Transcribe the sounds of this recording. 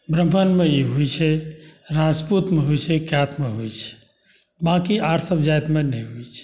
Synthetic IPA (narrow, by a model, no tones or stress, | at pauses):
bɾəmbʱənmeiɦujt͡ʃʰɛɾad͡ʒput̪meɦujt͡ʃʰɛkjat̪meɦojt͡ʃʰɛ̥ | bãkiaɾsəbʱd͡ʒajt̪menɛ̃ɦujt͡ʃʰɛ̥